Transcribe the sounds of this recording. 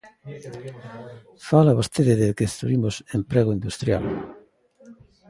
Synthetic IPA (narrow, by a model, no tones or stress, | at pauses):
falaβost̪ʰeðɪðekeest̪ɾuβimʊsempɾɛɣoind̪ust̪ɾja̰l